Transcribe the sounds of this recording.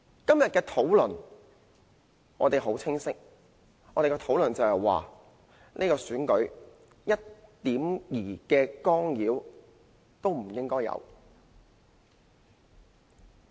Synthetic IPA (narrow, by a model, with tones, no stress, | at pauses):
kɐ˥mjɐ˨t̚kɛː˧t̪ʰo˨˥wlɵ˨˩n | ɔː˨˧t̪e˨jɦo˨˥wt͡sʰɪ˥ŋsɪ˥k̚ | ɔː˨˧t̪e˨kɛː˧t̪ʰo˨˥wlɵ˨˩nt͡sɐ˨whɛ˨jwa̰ː˨ | ne˥kɔː˧syː˨˥nkɵ˨˥ɥ | jɐ˥t̚t̪iː˨˥mjiː˨˩kɛː˧kɔː˥ŋjiː˨˥w | t̪o˥wm̩˨˩jɪ˥ŋkɔː˥jːɐ̰˨˧w